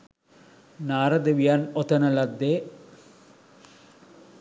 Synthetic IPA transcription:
naːɾɐd̪eʋijanɔt̪ɐnɐlɐd̪ːe

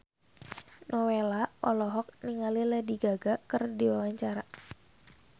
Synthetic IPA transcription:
nʔɔwelaʔɔlɔɦɔk̚niŋalilɛdiɡaɡakɨrdiwawaɲt͡ʃaɾa

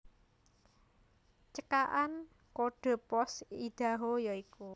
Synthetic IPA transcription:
t͡ʃəkaʔan | koɖ̥ɔ̤pɔsid̪̥a̤ɦojɔiku

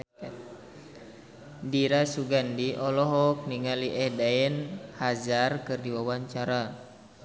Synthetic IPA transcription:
diɾasuɡandiʔɔlɔɦɔk̚niŋaliʔɛhdaɛnhazarkɨrdiwawaɲt͡ʃaɾa

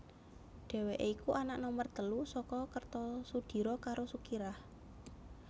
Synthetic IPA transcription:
ɖ̥e̤weʔikuʔanaʔnɔmərt̪əlusɔkɔkərt̪ɔsud̪̥i̤ɾɔkaɾosukiɾah

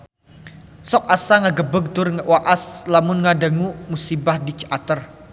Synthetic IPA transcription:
sɔk̚asaŋaɡəbəɡ̚t̪ʊrŋwaʔaslamʊnŋadaŋumusibahdit͡ʃʔat̪ər

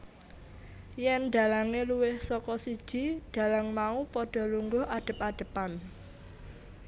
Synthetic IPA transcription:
jɛnɖ̪a̤laŋeluwɪhsɔkɔsid̥ʒ̥i̤d̥a̤laŋmaupɔɖ̥ɔ̤luŋɡʊɦʔaɖ̥ə̤paɖ̥ə̤pan

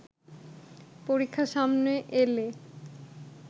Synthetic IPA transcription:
poɾikʰːaʃamneʔele

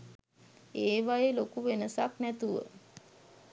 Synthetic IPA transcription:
eːʋajelokuʋenəsaknæt̪uʋə̰

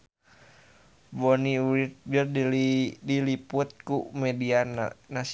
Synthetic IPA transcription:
bɔniuɾit̪̚d͡ʒərddiliput̪̚kumɛdiannas

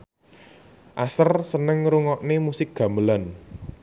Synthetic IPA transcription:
ʔasərsənəŋɾuŋɔʔnemusɪk̚ɡ̥ä̤mbəlan

